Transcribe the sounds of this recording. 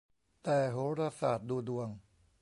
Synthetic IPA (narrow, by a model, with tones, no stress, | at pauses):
t̪ɛː˨˩ɦoː˨˦˥ɾa˧saː˨˩t̪̚duː˧du˧əŋ